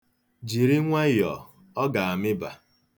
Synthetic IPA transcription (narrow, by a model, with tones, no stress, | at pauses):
d͡ʒi˨ɾi˦ŋʷa˦jɔ˨ | ɔ˦ɡa˨a˨mɪ˦ba˨